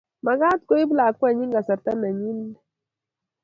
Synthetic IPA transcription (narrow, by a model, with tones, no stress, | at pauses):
ma˨ɡa˦tko˦i˦bla˨kwa˦˨ɲi˦ŋɡa˨sa˨ɾta˦na˨ɲi˦nːa˦